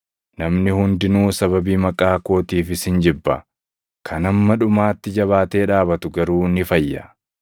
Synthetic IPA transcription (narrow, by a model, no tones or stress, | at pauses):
nɐmnɪhʊnd̪ɪnuːsɐβɐbiːmɐkʼːaːko̞ːt̪iːfɪsɪnd͡ʒɪbːɐ̰ | kʰɐnɐmːɐᶑʊmaːt̪ːɪd͡ʒɐβaːt̪e̞ːᶑaːbɐt̪ʊɡɐɾuːnɪfɐjːɐ̰